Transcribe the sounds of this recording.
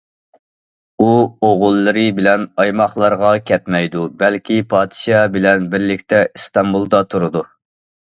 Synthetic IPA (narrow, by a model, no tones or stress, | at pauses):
uoʁʊlˠːɨɾɨbɪlɛnɑjmɑχlˠɑɾʁɑkʲʰɛt̪mɛjd̪ubɛlkʲipʰɑːd̪ɨ̥ʃɑbɪlɛnbɪɾlɪkʲt̪ɛʔist̪ɑmbulˠd̪ɑt̪ʰuɾɨd̪u